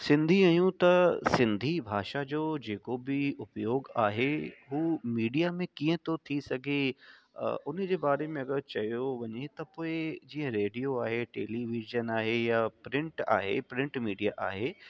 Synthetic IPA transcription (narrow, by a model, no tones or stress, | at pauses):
sɪ̃nd̪ʱiaːjũt̪ɐsɪ̃nd̪ʱibʱaːʃad͡ʑoːd͡ʑeːkobɪʊpjoːɡaːɦeɦuːmiːɖijamẽkĩːə̃t̪ʰot̪ʰisɐɡʱḛ | ʊnə̆d͡ʑeːbaːɾemẽɐɠəɾt͡ɕɐjoʋɐɲet̪ɐpoːɪd͡ʑiːə̃ɾeːɖijoaːɦeʈeːliʋiʒənaːɦejapɾɪ̃ɳʈa̰ːɦḛpɾɪ̃ɳʈmiːɖijaʔaːɦe